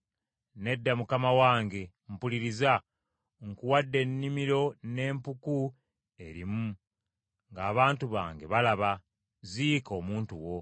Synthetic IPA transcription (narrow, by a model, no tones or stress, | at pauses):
ne̞dːamukamawaːŋɡe̞ | m̩puliɾiza | ŋkuwadːe̞nːimiɾo̞ne̞ːmpuku | e̞ɾḭmu | ŋɡaːβaːntuβa̰ːŋɡe̞βalaβa | ziko̞ːmuːntuwo̞